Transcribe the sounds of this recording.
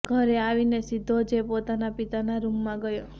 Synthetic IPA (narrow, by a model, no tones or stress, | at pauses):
ɡʱəɾeaʋinesid̪ʱod͡ʒepot̪anapit̪anaɾumːãɡəjo